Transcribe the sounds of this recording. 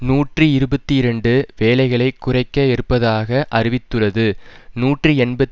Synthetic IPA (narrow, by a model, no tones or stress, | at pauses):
nuːʈrɯɪɾɯbɐt̪ːiɪɾɐɳɖɯʋeːlɐɪɣɐɭɐɪkːʊrɐɪkːɐɛɾɯpːɐðaːɣɐʔɐɾɪʋɪt̪ːɯɭɐðɯnuːʈrɯɛɳbɐt̪